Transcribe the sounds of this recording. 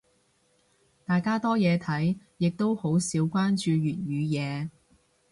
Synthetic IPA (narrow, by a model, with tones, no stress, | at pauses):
t̪aː˨jkaː˥t̪ɔː˥jɛː˨˧t̪ʰɐ˨˥j | jɪ˨k̚t̪o˥who˨˥wsiː˨˥wkʷaː˥nt͡ʃyː˨˧ɥyː˨˩t̚jyː˨˧jɛː˨˧